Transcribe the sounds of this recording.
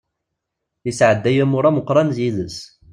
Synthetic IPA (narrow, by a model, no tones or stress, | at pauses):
əsʕəd̪ːæjæmʊɾˤæməqɾˤɑnzjiðəs